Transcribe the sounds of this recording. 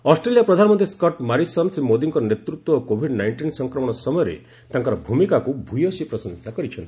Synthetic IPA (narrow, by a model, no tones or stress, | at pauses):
ɔsʈɾelijapɾɔd̪ʱanɔmɔnt̪iskɔʈmaɾisɔnsmod̪iŋkɔɾɔnet̪ɾut̪wɔokobʱiɖnajɳʈinsɔŋkɾɔmɔɽ̃ɔsɔmɔjɔɾḛ | t̪aŋkɔɾɔbʱumikakubʱujosipɾɔsɔnsakɔɾit͡ʃʰɔnt̪i̥